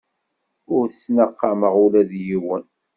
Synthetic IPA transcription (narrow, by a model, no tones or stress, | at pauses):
ʊɾθəsnəqːɑməʁulæðjiwən